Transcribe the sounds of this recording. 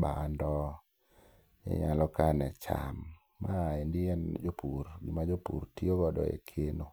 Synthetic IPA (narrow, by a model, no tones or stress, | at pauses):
bandɔ | ɲḛɲalɔkanɛt͡ʃa̰mː | aendɪɛnd͡ʒopuɾɡɪmad͡ʒopṵɾtioɡɔdɔ̰ḛkʰeno